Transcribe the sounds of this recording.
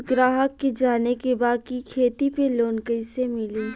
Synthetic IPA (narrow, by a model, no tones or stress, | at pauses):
ɡɾaːɦəkːed͡ʒaːnekebaːd̪̚kikʰeːt̪ipeloːnkəisemɪlĩː